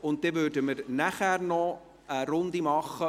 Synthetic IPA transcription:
ʊnt̚d̥evørdəmərnæχærnɔ | əɾʊndimɑχə

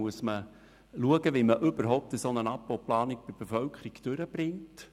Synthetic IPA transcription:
uəsmə | luəɡəʋiməʔʏbəɾɦɔʊp̚təsonənɑpːowplɑːnik̚b̥ɪb̥efœlkʰəɾiɡd̥øɾəb̥ɾɪŋt

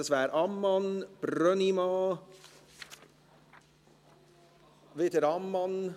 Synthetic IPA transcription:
əsʋæːɾʔɑmːɑnb̥ɾœnimɑ | ʋet̪əɾɑmːɑn

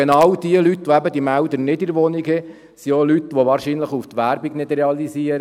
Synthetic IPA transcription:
enɑwd̥iəlyt̪ʋɔæbəd̪imæʊd̪ənɪdɪɾʋɔniɡɛ | siolyt̪ʋoʋɑːɾʃiːnləχuft̪ʋæɾbiɡnɪd̥rɛɑliziəɾ

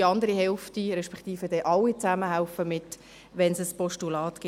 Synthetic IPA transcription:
ɑnd̪əɾiɦɛlftiɾɛʃpɛ̥kt̪iːfəd̥ɛʔɑlːit͡saməɦaʊfəmɪt | ʋɛnsəspɔʃtulɑːt̪ɡ̥ɪ

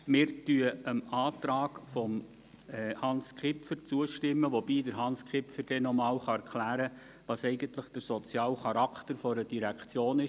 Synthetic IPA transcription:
mɪːɾtyəəmɑːtɾɑːkfɔm | ɛhɑnskχɪpfəɾt͡suəʃtɪmːəʋobiːdəɾɦɑnskχɪpfəɾd̥ɛnɔmɑːwχɑæɾkʰlæːɾə | ʋɑsɛɪɡənt̪ləχd̥əɾsɔt͡sjɑːlχɑɾɑkʰtəɾfɔɾəd̥iɾækt͡sjoːnɪ

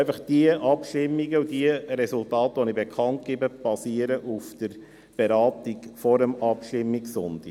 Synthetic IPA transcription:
ɪfəχd̥iəʔɑpʃtɪmːiɡəudiəɾɛsultɑːtʋonibekʰɑnt̚ɡ̥ɪbəb̥ɑsiəɾəʔufd̥əɾ | b̥eɾɑːt̪iɡfɔɾəmɑpʃtɪmːiksʊnd̥̪i

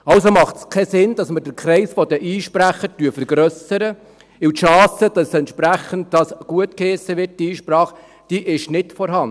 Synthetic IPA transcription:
ɑwsomɑχtskʰɛsɪnd̥ɑsmədəɾkʰɾɛɪsfɔdəʔiːʃpɾæχəɾtyːfəɾɡɾœsəɾə | ɪwtʃɑːsəd̥ɑsɛntʃpɾæχənt̚dɑsɡ̥uətkeːsəʋɪɾt̚diiːʃpɾɑːχ | d̥iʔɪʃnɪtfɔɾɦɑn

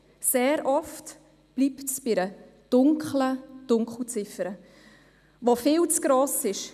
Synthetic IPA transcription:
seːɾɔft | b̥liptsb̥ɪɾə | d̥ʊŋkχləd̥ʊŋkχl̩t͡sɪfəɾə | ʋofɪːlt͡sɡ̥ɾoːsɪʃ

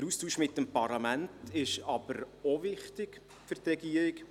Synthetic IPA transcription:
əɾustuːʃmɪtːəmpɑrlɑmæntɪʃɑbəɾovɪχtɪk | fʏɾrt̪rɛɡiːəɾɪk

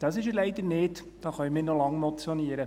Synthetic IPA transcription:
d̥ɑsɪʃəlɛɪd̪əɾnɪːt | d̥ɑːχœɪmɪːnɔlɑŋmɔt͡sjɔniːəɾə

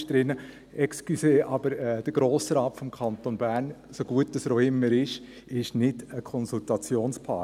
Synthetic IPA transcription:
ʃd̥ɾɪnə | ɛkskyseːʔɑb̥əɾɛd̥əɡ̥ɾoːsɾɑːtfɔmkʰɑnt̪onbæːɾn | soɡ̥uət̚ːd̥ɑsɾoɪmːəɾɪʃ | ɪʃnɪdəkʰɔnsultɑt͡sjoːnspʰɑː

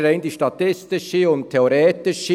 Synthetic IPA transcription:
ɾeɪnd̪iʃtɑt̪ɪst̪ɪʃəʊnt̚tʰːeoɾeːt̪ɪʃə

